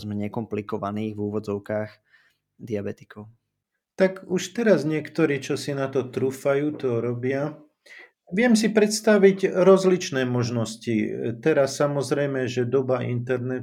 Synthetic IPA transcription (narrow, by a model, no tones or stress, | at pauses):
zmɛɲɛkɔmplikɔʋaniːɣvuːʋɔd͡zɔʊkaːx | d̪iabɛt̪i̥kɔʊ | t̪aɡuʃt̪ɛɾazɲɪɛkt̪ɔɾiːt͡ʃɔsinat̪ɔt̪ɾuːfajuːt̪ɔɾɔbɪa | ʋɪɛms̬ipɾɛt̪st̪aʋiɟɾɔzlit͡ʃnɛːmɔʒnɔscit̪ɛɾasːamɔzɾɛjmɛʒɛd̪ɔbaʔḭnt̪ɛɾnɛ